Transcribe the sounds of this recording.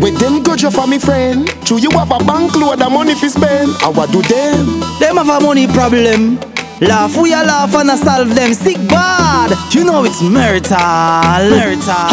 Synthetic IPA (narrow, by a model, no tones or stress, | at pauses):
wɛd̪ɛ̃nɡɔd͡ʒjɔfamifɹɛ̃ndt͡ʃujiwavabãŋkluadamɔnifispɛna̰wadudɛmdɛmavamɔnipɹɔblɛ̃m | lafwijalafãnasalvdɛ̃msik̚badjunoitsmɛɹtʰalɛɹta